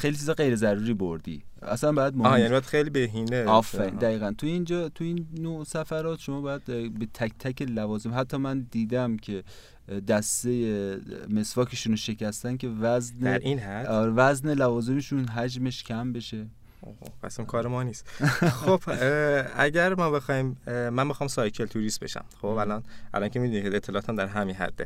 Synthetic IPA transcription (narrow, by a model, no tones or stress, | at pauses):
xejlit͡ʃʰizɒjɣe̞jɾe̞zæɾuːɾiːboɾd̪ḭːæ̰sænbɒːjæd̪moːjænibæd̪xejliːbeɦiːneɒfːæɾḭnd̪æiːɣænt̪ʰuind͡ʒɒːt̪ʰuiːnːosæfæɾɒːt̪ʃo̞mɒːbɒːjæd̪̥be̞t̪ʰæct̪ʰæcelævɒːzemɦæt̪ʰːɒːmænd̪iːd̪æmcʰe̞ | d̪æst̪e̞jeme̞svɒːcʰe̞ʃuːnoʃe̞cʰæst̪ænkʰe̞væznæeɾʔiːnhæsɾevæznelævɒːze̞meʃunɦæd͡ʒme̞ʃcʲʰæmbe̞ʃe̞ | opʰæ̰simkʰɒːɾemɒːniːst̪xob̥ʔæɟæɾmɒːbe̞xɒːhiːmmænbexɑːmsɒːjkʰelt̪ʰuɾiːst̪beʃæ̰mχobælɒnʔæ̰lɒːncʰemid̪unieet̪ʰːelɒʔːt̪ʰæmd̪æɾɦæminɦæ̰d̪̥ːḛ